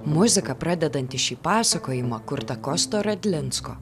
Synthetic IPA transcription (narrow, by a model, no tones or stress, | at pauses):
mʊzʲɪkɐpɾɐd̪ʲɛd̪ɐnʲt̪ʲɪʃʲiːpɑːsɐkoːjɪmɐkʊɾt̪ɐkɔst̪oːɾɐd̪ʲlʲɪnsko̰